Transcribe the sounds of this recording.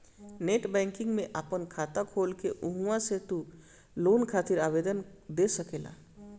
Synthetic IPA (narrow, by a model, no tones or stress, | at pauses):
neːʈbɛ̃ːŋkɪ̃ŋɡmẽʔaːpənkʰaːt̪akʰoːlkeʔʊɦũãset̪u | loːnkʰaːt̪ɪɾaːbeːd̪ənd̪esəkela̰ː